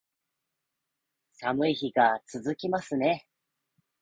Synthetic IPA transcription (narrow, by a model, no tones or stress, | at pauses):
samɯ̟içiɡat͡sɨzɨkʲimasɨne̞